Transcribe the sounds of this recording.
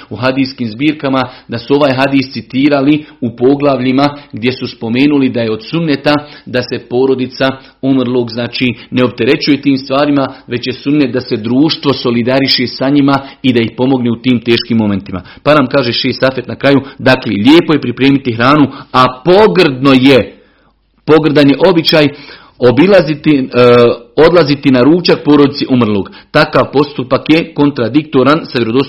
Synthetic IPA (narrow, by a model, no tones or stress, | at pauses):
uɦad̪iːskiːmzbiːɾkamad̪asuo̞ʋaːjɦad̪iːst̪sit̪iːɾaliupo̞ɡlˠaʋʎimaɡd̪je̞suspo̞me̞ːnulid̪ajeo̞d̪sunːet̪ad̪ase̞po̞ːɾo̞d̪it̪sa | omrlˠo̞ːɡznaːt͡ʃiːne̞o̞p̚t̪e̞ɾe̞t͡ɕuje̞t̪iːmst̪ʋaːɾimaʋe̞t͡ɕje̞sunːet̪̚d̪ase̞d̪ɾuːʃt̪ʋo̞so̞lid̪aɾiʃe̞saɲimaid̪aihpo̞mo̞ɡneut̪iːmt̪e̞ːʃkiːmːo̞me̞nt̪ima̰ | panaːmkaːʒeʃeːst̪afe̞t̪nakɾajud̪aklḛʎʲeːpo̞je̞pɾipɾe̞ːmit̪iɦɾaːnuapo̞ɡr̩d̪no̞je | po̞ɡr̩d̪anjeʔo̞bit͡ɕaːj | obilazit̪i | o̞d̪lˠazit̪inaɾuːt͡ʃak̚po̞ːɾod̪it̪seʔumrlˠo̞ːɡt̪akaʋpo̞st̪upakjeko̞nt̪ɾad̪ik̚t̪o̞ɾansaʋjeɾod̪os